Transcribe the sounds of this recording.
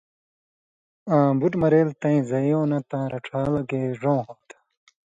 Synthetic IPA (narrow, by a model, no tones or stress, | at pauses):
ãːbuʈmɐɾeːlt̪ɐ̃ĩzɐjõːnɐt̪ãːɾɐʈ͡ʂʰaːlɐɡeːʐõːɦot̪ḁ